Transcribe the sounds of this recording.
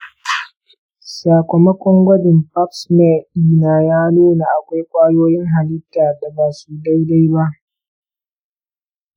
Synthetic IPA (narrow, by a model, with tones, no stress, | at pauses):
saː˨kʷɔ˨mɐ˦kʷɔ˦ŋɡʷɐ˦dɪ˨mpa˦psmɛ˦˨iː˦naː˨jaː˦nuː˦na˨ʔa˨kʷa˦jkʷaː˦joː˦jɪ˦ŋɦa˨lɪ˦tːaː˨da˨baː˨suː˦da˦jda˦jba˦ʔ